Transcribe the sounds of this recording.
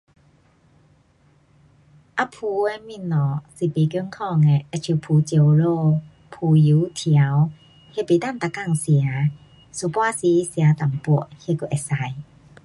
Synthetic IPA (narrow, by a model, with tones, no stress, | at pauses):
ʔa˧pʰu˨˧we˧˦mi˧˥˨nɔ˨˩si˨˩pe˨kji˧˦ŋkʰɔ˥˧˨ŋe˨ɛ˧t͡ɕʰu˨˧˩pʰuː˨˦t͡ɕjo˨˩wlo˥˧ | pʰuː˨˩ju˨˦t̪ʰja˨˦w | he˧˨pe˨t̪a˥˨nt̪a˨ka˥˨ŋsja˨˦ | su˨˧˨pwa˥˨si˧˦i˦sja˨˧t̪a˨˩mpu˧˩he˧ku˧˨ʔɛ˨˩sa˧j